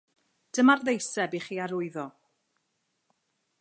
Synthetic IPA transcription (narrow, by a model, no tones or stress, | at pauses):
d̥əmarðejsɛbiχiːaɾʊɨðɔ